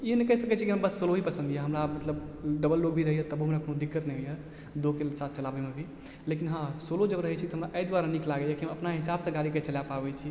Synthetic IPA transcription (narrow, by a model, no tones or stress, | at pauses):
iɦnekəsəkɛt͡ʃʰikiɦəmbəsːoloɦipəsə̃nd̪ijaɦəmɾamət̪ləbɖəbəlːoɡ̚bʱiɾəɦijət̪əbɦəmɾakonod̪ikːət̪nɛɦjə | d̪okesat̪̚ʰt͡ʃəlabɛmebʱi | lekinɦãsolod͡ʒəbɾəɦɛt͡ʃʰikt̪ɔɦəmɾaʔəjd̪waɾaniklaɡejakiɦə̃məpnaɦisabsə̃ɡaɾiket͡ʃəljapabɛt͡ʃʰi